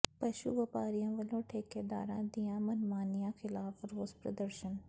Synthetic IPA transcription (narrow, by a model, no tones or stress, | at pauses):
pɐʃṵʋɐpaːɾijãːʋɐlõːʈʰeːkeːd̪a̰ːɾãːd̪ijãːmɐnmaːnijãxɪlaːfɾoːzpɾɐ̰d̪əɾʃən